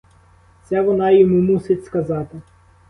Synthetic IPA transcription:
sʲɛʋɔnɑjɔmumusɪtʲskɐzɑt̪ɪ

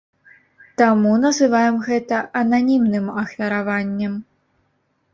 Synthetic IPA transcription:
t̪amunɐzɨvajɛmɣɛt̪ɐʔɐnanʲimnɨmɐxvʲɐɾavanʲːɛm

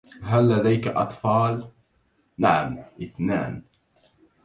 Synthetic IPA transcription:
ɦalːad̪ajkaʔɑ̰t̪ˤfɑːl | naʕamʔɪθna̰ːn

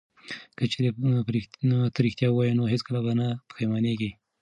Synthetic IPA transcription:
kət͡ʃeɾepɾit̪aɾixt̪jɑwɑjinoɦet͡skəlabanap̪ə̥xajmaneɡi

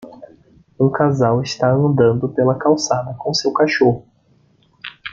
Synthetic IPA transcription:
ũkazawɪst̪aɐ̃nd̪ɐ̃nd̪ʊpelɐkawsad̪ɐkõsewkaʃohʊ

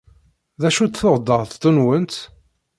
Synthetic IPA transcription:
ðæʃut̪θoʁd̪ːəɾˤθt̪ːunwənt̪

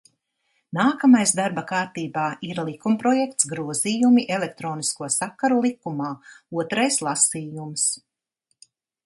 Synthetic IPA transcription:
naːkamajsd̪aɾbɐkaːɾt̪iːbaːʔiɾlˠikumpɾɔjɛk̚t̪sɡɾuɔziːjumiʔɛlek̚t̪ɾoːniskuɔsakːaɾulˠikumaːuɔt̪ɾajslˠasiːjums

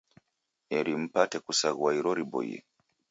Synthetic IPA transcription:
ɛɾim̩patɛkusaɣwaiɾɔɾibɔ̰j̰ɛ̰

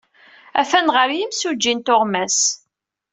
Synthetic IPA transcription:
æfænʁəɾjimsud͡ʒːint̪ʊʁmæs

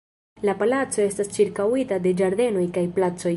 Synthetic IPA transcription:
lapalat͡so̞e̞stast͡ʃiɾkawitade̞d͡ʒaɾde̞no̞jkajplat͡so̞j

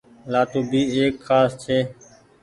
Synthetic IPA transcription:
laːt̪oːbʱiːeːkxaːst͡ʃʰeː

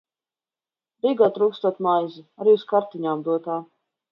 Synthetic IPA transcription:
ɾiɡaːt̪ɾuːkst̪uɔt̪majzɨaɾiːuskaɾt̪iɲaːmd̪uɔt̪aː

